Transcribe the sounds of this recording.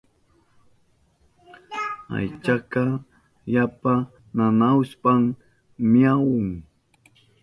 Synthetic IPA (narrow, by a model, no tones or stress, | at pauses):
a̰jt͡ʃaka | japa | nanawspaŋ | mijawʊŋ